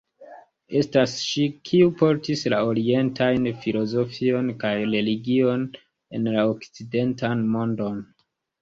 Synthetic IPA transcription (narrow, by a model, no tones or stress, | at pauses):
e̞stasʃikʰiupo̞ɾtislao̞ɾie̞ntʰajnfilo̞zo̞fio̞nkajɾe̞liɡio̞n | e̞nlaokt͡side̞ntanmo̞ndo̞n